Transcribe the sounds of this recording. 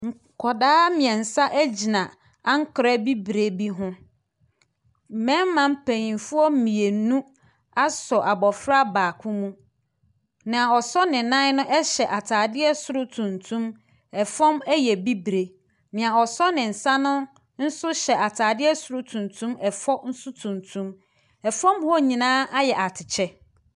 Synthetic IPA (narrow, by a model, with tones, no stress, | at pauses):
ŋ̩˨ | kʰɔ˨daː˦mɪ̃˨ɛ̃˨n̩˨sa˦ʔæ˦d͡ʑi˨nã˨ | a˦ŋ̩˦kʰɾɛ˦bi˦bɾe˨˦bi˦ɦʊ̃˦ | m̩˨mɛ̃˦mː˦ã˦m̩˦pʰæ̃˨ɲĩ˨nfʊ˦ɔ˦m̩˦mĩ˨e˨n˦nũ˦ | a˦sɔ˨ʔa˨bɔ˨fɾa˦baː˨kʰʊ̃˦mũ˦ | nɪ̃˨a˨ɔ˨sɔ˦nɪ̃˨nã˦nʊ̃˦ʔɛ˦ɕɛ˨ʔa˨tʰaː˨dɪ˦ɛ˦sʊ˨ɾʊ˦tʰũ˨ntʰũ˦m | ɛ˨fɔ̃˦mɛ˦jɛ˨bi˦bɾe˨ | nɪ̃˨a˨ɔ˨sɔ˦nɪ̃˨n̩˨sã˦nʊ̃˦ | n̩˦sʊ˦ɕɛ˨ʔa˨tʰaː˨dɪ˦ɛ˦sʊ˨ɾʊ˦tʰũ˨ntʰũ˦mɛ˨fɔ˦n̩˦sʊ˦tʰũ˨ntʰũ˦m | ɛ˨fɔ̃˦mhɔ˦ɲĩ˨nãː˦ʔa˦jɛ˨ʔa˨tʰɪ˨t͡ɕʰɛ˦